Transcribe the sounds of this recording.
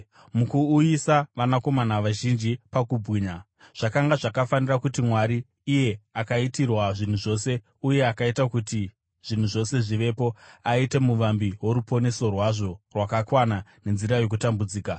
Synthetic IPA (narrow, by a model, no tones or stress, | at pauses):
mukuːjisaʋanako̞manaʋaʒind͡ʒipakubwiːɲa | ʐ̥akaŋɡaʐakafanirakutimwaɾiː | je̞akaitirwaʐin̤uʐo̞se̞ | uje̞akaitakuti | ʐ̥in̤uʐo̞se̞ʐiʋe̞po̞aite̞muʋambiɦwo̞ɾupo̞ne̞so̞rwaʐo̞rwakakwanane̞nziɾajo̞k̬utambud͡ziːka